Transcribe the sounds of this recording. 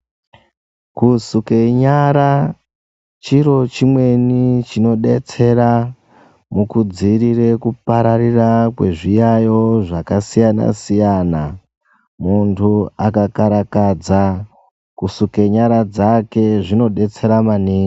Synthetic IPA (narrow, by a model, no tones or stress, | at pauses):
kusukeɲaɾa | t͡ʃiɾo̞t͡ʃimwe̞nit͡ʃino̞ɗe̞t͡se̞ɾa | mukud͡ziɾirekupaɾaɾirakwe̞ʐijajo̞ʐakasijana̰sijana | muntʰuakakaɾakad͡za | kusukeɲaɾad͡zake̞ʐino̞ɗe̞t͡se̞ɾamaniː